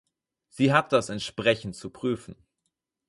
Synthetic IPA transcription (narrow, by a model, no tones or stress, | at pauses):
z̥iːɦat̚d̥asɛntʃpʁ̥ɛçn̩tt͡supʁ̥yːfn̩